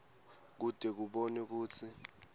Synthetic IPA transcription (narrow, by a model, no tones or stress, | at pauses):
k̬ud̥ʱɛk̬uɓonɛk̬uːt͡sʰi